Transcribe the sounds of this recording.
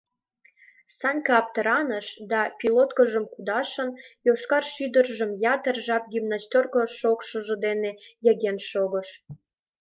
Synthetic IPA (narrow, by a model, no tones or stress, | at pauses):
sɑnʲkɑɑp̚t̪əɾɑnəʃd̪ɑpʲilot̪kəʒəmkud̪ɑʃə̆njoʃkɑrʃyd̪ərʒəmjɑt̪ərʒɑp̚ɡʲymnɑst̪orkoʃokʃə̆ʒə̆d̪enejə̆ɣenʃoɣəʃ